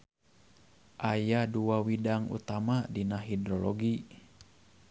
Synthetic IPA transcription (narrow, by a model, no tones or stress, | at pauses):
ʔajaduawidaŋṵt̪amadinaɦidɾɔlɔɡi